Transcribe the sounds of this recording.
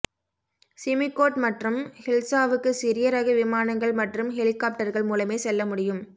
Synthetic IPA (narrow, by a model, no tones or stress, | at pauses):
sɪmɪkːoːʈmɐʈrɯmhɪlsaːʋɯkːɯsɪɾɪjɐɾɐɣɯʋɪmaːnɐŋɡɐɭmɐʈrɯmɦɛlɪkːaːp̚ʈɐɾɣɐɭmuːlɐmeːsɛlːɐmʊɽɪjɯm